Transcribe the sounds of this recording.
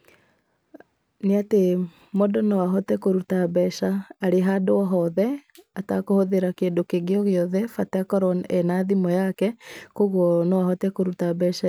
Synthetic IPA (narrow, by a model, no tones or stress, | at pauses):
neate | modɔnɔwaɦɔtɛkoɾutaβɛʃaːɾeɦadoɔɦɔðɛatakohoðeɾakendokeɣeɔɣeɔðɛfatakɔɾɔnɛnaðimɔjakɛkoɣɔnɔwaɦɔtɛkoɾutaβɛʃa